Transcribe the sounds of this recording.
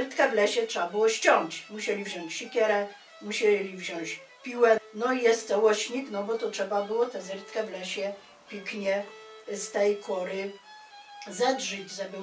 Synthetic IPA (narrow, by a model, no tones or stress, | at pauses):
ɾt̪kɛvlɛɕɛtʂɛbabɘwɔɕt͡ɕɔŋt͡ɕmuɕɛlʲivʑɔ̃ɲt͡ɕɕikʲɛɾɛ | muɕɛlʲivʑɔɲt͡ɕ | pʲiwɛnɔijɛst̪t̪ɛwɔɕɲiknɔbɔt̪ɔtʂɛbabɘwɔt̪ɛzɛɾt̪kɛvlɛɕɛ | pʲikɲɛst̪ɛjkʰɔɾɘ | zɛdʐɘd͡ʑzɛbɨ